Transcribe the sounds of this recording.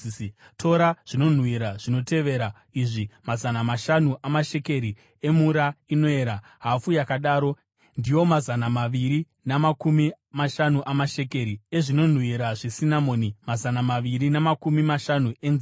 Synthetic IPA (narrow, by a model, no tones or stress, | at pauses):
tʰo̞ɾaʐ̥ino̞n̤wiɾaʐ̥ino̞te̞ʋe̞ɾa | iʐimazanamaʃanuʔamaʃe̞ke̞ɾi | e̞muɾaino̞e̞ɾa | ɦafujakaɗaːɾo̞ | ndijo̞mazanamaʋiɾi | namakumi | maʃanuʔamaʃe̞ke̞ɾieʐino̞n̤wiɾaʐesinamo̞ːnimazanamaʋiɾinamakumimaʃanue̞nzi